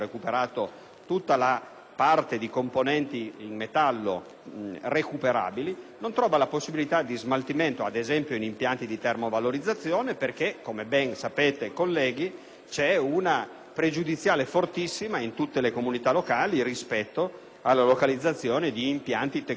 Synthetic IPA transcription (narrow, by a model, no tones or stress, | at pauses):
ɾekupeɾaːt̪o | t̪ut̪ːala | part̪ed̪ikomponɛnt̪iːŋmet̪alːo̰ | rekupeɾa̰ːbilinont̪ɾɔːvalaposːibilit̪ad̪izmalt̪iment̪oad̪ezɛmpjoinimpjant̪id̪it̪ermovaloɾid̪zːat̪sːjoːneperkekːomebɛnsapeːt̪ekolːɛːɡi | t͡ʃɛuna | pɾed͡ʒud̪it̪sːjaːlefort̪isːimaint̪ut̪ːelekomunit̪alːokaːlirispɛt̪ːo | alːalokalid̪zːat̪sːjoːned̪iːmpjant̪it̪e